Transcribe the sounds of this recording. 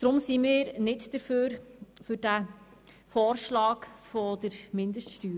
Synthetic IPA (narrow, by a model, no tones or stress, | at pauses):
d̪̥ɾʊmsimiːɾnɪtd̥əɾføːɾfʏɾd̥æ | fɔːɾʃlɑːkfɔdəɾmɪndəʃtʃtyːɾ